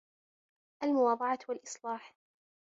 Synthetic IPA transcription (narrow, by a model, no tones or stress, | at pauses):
ʔalmʊwɑːd̪ˤɑʕɑwalʔɨsˤlɑːħ